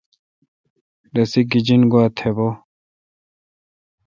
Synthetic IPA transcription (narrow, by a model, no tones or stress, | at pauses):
dɐsiɡid͡ʑinɡuat̪ʰebo